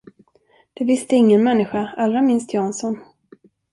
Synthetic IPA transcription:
d̪̥ɛvɪst̪əɪŋːənmɛnːɪɧaalːɾamɪnst̪jɑːnsɔn

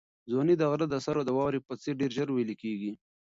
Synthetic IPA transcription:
zonid̪aɣɾad̪asaɾod̪əwɑɾipat͡seɾɖeɾʒəɾwelikeɡi

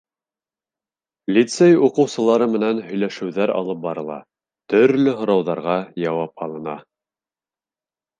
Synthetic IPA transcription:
lʲit̪sejuqɤ̆wsɤ̆lˠɑɾɤmɘ̆nænhɵ̆jlæʃɘ̆wðæɾɑ̰lˠɤp̚bɑɾɤ̆lˠɑ̰ | t̪ɵ̆ɾlɵɦŏɾɑwðɑɾʁɑjɑwɑpɑlˠɤ̆nɑ̰

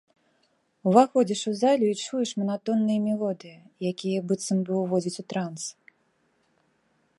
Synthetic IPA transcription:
wvaxɔd͡zʲiʂuzalʲuit͡ʂujɛʂmɐnat̪ɔnːɨjɐmʲɛlˠɔd̪ɨjɐ | jakʲijɛbɨt̪sɐmbɨwvɔd͡zʲit͡sʲut̪ɾans

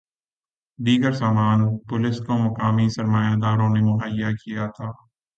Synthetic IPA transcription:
ɖiːɡəɾsaːmaːnpʊlɪskomɐkaːmisɐɾmaːjad̪aːɾõnemʊɦaːjːakijat̪ʰaː

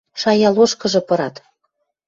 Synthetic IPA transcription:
ʃɑjɑloʃkɤ̆ʒɤ̆pɤ̆ɾɑt̪

